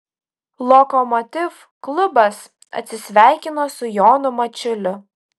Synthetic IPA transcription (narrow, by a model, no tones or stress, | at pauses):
lˠɔkɔmɔt̪ʲɪf | klˠʊbɐs | ɐ̰t̪ʲsʲɪsʲʋʲæˑɪkʲɪnoːsʊjoːnʊmɐt͡ʃʲʊlʲʊ